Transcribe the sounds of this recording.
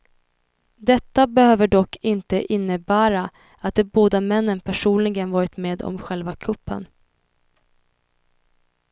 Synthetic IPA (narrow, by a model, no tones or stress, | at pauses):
d̪ɛt̪ːabɛhøːvəɖɔkːɪnt̪əʔɪnːəbæːɾa | at̪̚d̪ɛːboːd̪amɛnːənpʰæʂuːnlɪɡənvɑːɾɪt̪meːd̪ɔ̰mɧɛlvakʰɵpːə̰n